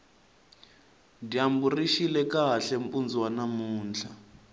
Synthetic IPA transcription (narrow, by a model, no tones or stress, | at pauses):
diamburiʃilɛkaɬɛmpʼund͡zwanamuːnd͡ɮʰa